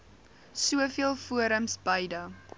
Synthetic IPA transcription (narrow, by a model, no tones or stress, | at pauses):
suəfiəlˠfuəɾəmsbɐjdɐ